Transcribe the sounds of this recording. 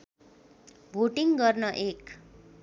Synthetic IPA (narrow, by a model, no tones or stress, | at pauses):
bʱoʈiŋɡʌrnʌʔek